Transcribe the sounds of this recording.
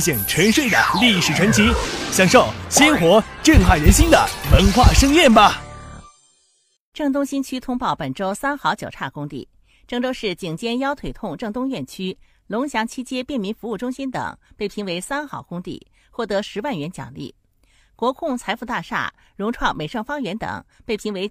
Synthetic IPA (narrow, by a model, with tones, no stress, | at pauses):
ɕi˨˩ŋʈ͡ʂʰwə˧˥nʂwe˥˩ɪd̪ə̰˩li˥˩ʂɻ̩˨˩ʈ͡ʂʰwə˧˥nt͡ɕʰi˧˥ɕjɑ˧˥ŋʂo˥˩ʊɕi˥nxwɔ˧˥ʈ͡ʂy˥˧nxa˥˩ɪɻə˧˥nɕi˥nd̪ə̰˨˩wə˧˥nxwa˥˩ʂɤ˥ŋjɛ˥˩nbɐ˨˩ | ʈ͡ʂɤ˥˩ŋt̪ʊ˥ŋɕi˥nt͡ɕʰy˥t̪ʰʊ˥ŋpɑ˥˩ʊpə˨˩nʈ͡ʂo˥ʊsa˥nxɑ˧˥ʊt͡ɕjo˨˩ʊʈ͡ʂʰa˥˩kʊ˥ŋt̪ḭ˥˩ | ʈ͡ʂɤ˥˩ŋʈ͡ʂo˥ʊʂɻ̩˥˩t͡ɕi˨˩ŋt͡ɕjɛ˥njɑ˥ʊt̪ʰwe˨˩ɪt̪ʰʊ˥˧ŋʈ͡ʂɤ˥˩ŋt̪ʊ˥ŋɥɛ˥˩nt͡ɕʰy˥ | lʊ˧˥ŋɕjɑ˧˥ŋt͡ɕʰi˥t͡ɕjɛ˥pjɛ˥˩nmi˧˥nfu˧˥u˥˩ʈ͡ʂʊ˥ŋɕi˥nt̪ɤ̰˨˩˦ŋpe˥˩ɪpʰi˧˥ŋwe˧˥ɪsa˥nxɑ˧˥ʊkʊ˥ŋt̪ḭ˥˩ | xwɔ˥˩t̪ɤ˧˥ʂɻ̩˧˥wa˥˩nɥɛ˧˥nt͡ɕjɑ̰˨˩ŋlḭ˥˩ | kwɔ˧˥kʰʊ˥˧ŋt͡sʰa˧˥ɪfu˧t̪a˥˧ʂa̰˥˩ | ɻʊ˧˥ŋʈ͡ʂʰwɑ˥˩ŋme˨˩ɪʂɤ˥˩ŋfɑ˥ŋɥɛ˧˥nt̪ɤ̰˨˩˦ŋpe˥˩ɪpʰi˧˥ŋwe˧˥ɪ